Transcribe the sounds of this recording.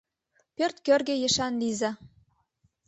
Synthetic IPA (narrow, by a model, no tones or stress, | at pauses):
pørt̪kørɣejĕʃɑnlizɑ